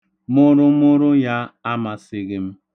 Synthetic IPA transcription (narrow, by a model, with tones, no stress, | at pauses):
mʊ˦ɾʊ˦mʊ˦ɾʊ˦ja˦a˦ma˨sɪ˨ɣɪ˨m̩˦